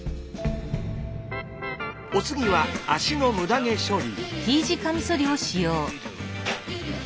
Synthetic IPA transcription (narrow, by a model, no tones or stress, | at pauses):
ot͡sɨɡʲiβaaɕinomɯ̟d̪aŋe̞ɕoɾʲitiːd͡ʑikʰamsoɾʲioɕijoː